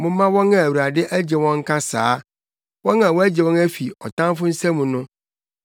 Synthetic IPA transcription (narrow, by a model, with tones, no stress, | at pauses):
mʊ̃ː˦ã˦wɔ̃˦nã˨æ˨wu˨ɾa˨dɪ˦ʔæ˦d͡ʑɛ˨wɔ̃˦ŋ̩˦kʰa˦saː˨˦ | wɔ̃˦nã˨wɔ˦æ˦d͡ʑɛ˨wɔ̃˦næ˦fi˨ɔ˨tʰã˦m˦fʊ˦n̩˦sæ̃˦mũ˨nʊ̃˦